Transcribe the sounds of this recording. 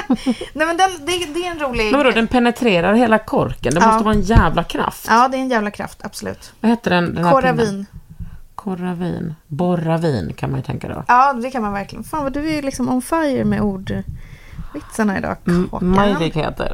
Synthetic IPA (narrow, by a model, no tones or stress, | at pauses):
nɛmɛnd̪ɛnd̪ɛd̪ɛæɾɛnɾuːlɪɡɛvaɾod̪ɛnpʰɛnɛt̪ʰɾeːɾaɾheːlakʰɔɾkənd̪ɛnmɔːstəvɑːɛnjɛːvlakʰɾa̰ft̪ɑːd̪ɛɛɛnjæːvlakʰɾa̰ft̪ʰab̥sɔlʉ̟̰ːt̪vaheːt̪əɖɛnd̪ɛnk̪ʰæɔɾaviːn | kʰɔɾavḭːnbɔɾaviːnkʰanmanjɵt̪ʰɛ̰ŋka̰d̪ɔ̰ɑːd̪ɛkʰanmanvæɾklɪɡənfaːnvad̪ɵælɪksɔmɔmfajəɾmɛʔuːɖ | vɪt̪saɳaɪ̰d̪ɑ̰ːko̰majɾɪɡhḛːt̪ə̰ɾ